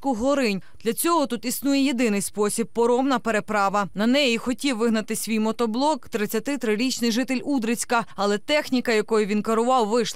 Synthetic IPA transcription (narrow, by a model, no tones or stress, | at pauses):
kʊɦɔɾɪnʲd̪lʲɐt͡sʲɔɦɔt̪ut̪isnujɛjed̪ɪnɪjspɔsʲib̚pɔɾɔmnɐpeɾe̞pɾɑʋɐnɐnɛjixɔtʲiwːɪɦnɐt̪ɪsʲʋʲijmɔt̪ɔblˠɔkt̪ɾɪt͡sʲːɐt̪ɪt̪ɾɪɾʲit͡ʃnɪjʒɪt̪elʲud̪ɾɪt͡sʲkɐɐlˠɛt̪ɛxnʲikɐjɐkɔjʊʋʲinkɐɾʊʋɑwʋɪʃˠ